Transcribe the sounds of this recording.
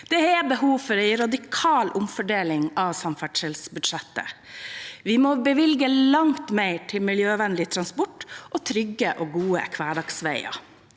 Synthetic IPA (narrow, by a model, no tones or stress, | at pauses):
d̪̥ɛɛbəɦuːfɔɾɛɪɾɑd̪ɪkʰɑːlʔʊmfɔɖeːlɪŋɑʋsɑmfæʈʂɛlsbʉd̪ʂɛt̪ːə̰ | ʋɪmobəʋɪlɡəlɑŋt̪meɪʈʰɪlmɪljøːʋɛnlɪt̪ʰɾɑnspɔʈːʔɔt̪ʰɾʏɡəʔoːɡuːəɛ̰kʰʋæːɖɑksʋæɪɑ̰